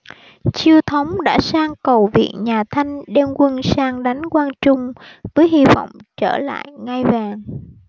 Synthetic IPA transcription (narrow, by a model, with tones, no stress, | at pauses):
t͡ɕi˧əwt̪ʰə˨˦wŋ͡mɗa̰ː˧˥saː˧ŋkə˨˩wvḭ˧˨ənɲaː˨˩t̪ʰa˧jŋ̟ɗe˧nkwə˧nsaː˧ŋɗa˨˦jŋ̟kwaː˧nt͡ɕʊ˧ŋ͡mvəː˨˦jɦi˧vɔ̰˧˨wŋ͡mt͡ɕəː˧˩la̰ː˧˨jŋa˧jvaː˨˩ŋ